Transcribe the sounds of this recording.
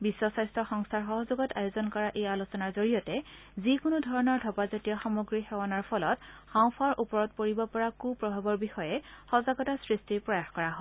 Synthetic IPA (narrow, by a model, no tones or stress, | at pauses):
bisːɔsajstɹɔxɔŋstʰaɹxɔɦɔzoɡɔta̰jozɔnkɔɹaʔejalusɔnaɹzoɹijɔtɛ | zikʊnʊdʱɔɹɔnɔɹdʱɔpazɔtijɔxamoɡɹixɛwanɔɹpʰɔlɔtxãw̃pʰaɹʔupɔɹɔt̚poɹibɔpɔɹakupɹɔbʱabɔɹbixɔjɛxɔzaɡɔtasɹistipɹɔjaxkɔɹaɦɔ